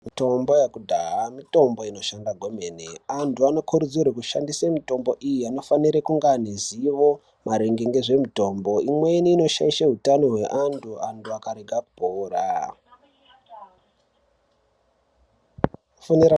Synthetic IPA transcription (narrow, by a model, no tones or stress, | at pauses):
mito̞mbo̞jakudʱaɦamito̞mbo̞ino̞ʃandaɡʱo̞me̞ːneantʰuano̞kʰuɾud͡zurekuʃa̰ndisamito̞mbo̞ʔijiano̞faniɾekuŋɡaniziʋo̞ | mʔaɾeŋɡe̞ŋɡe̞ʐe̞mito̞mbo̞imwe̞iniːno̞ʃa̰iʃaɦutanoɦwe̞ʔantʰuantʰuakaɾeɡʱaku̥poːɾa | foniɾa